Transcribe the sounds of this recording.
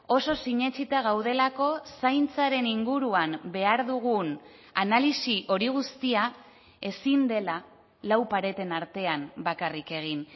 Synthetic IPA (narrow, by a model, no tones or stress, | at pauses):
o̞so̞siɲe̞t͡sit̪aɣ̞awð̞e̞lako̞sajnt͡saɾe̞niŋɡuɾuambe̞aɾðuɣ̞un | analisiʔo̞ɾiɣ̞ust̪ia | e̞sind̪e̞la | lawpaɾe̞t̪e̞naɾt̪e̞ambakarike̞ɣ̞in